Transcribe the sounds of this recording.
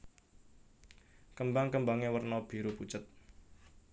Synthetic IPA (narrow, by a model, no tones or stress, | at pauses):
kəmbaŋkəmbaŋewərnɔb̥i̤ɾuput͡ʃət̪̚